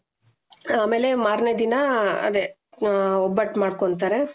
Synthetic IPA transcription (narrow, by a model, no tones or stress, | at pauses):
aːme̞ːle̞maːɾned̪inɐɐ̰d̪e | ɔbːɐʈmaːɽkoɳt̪aːɾe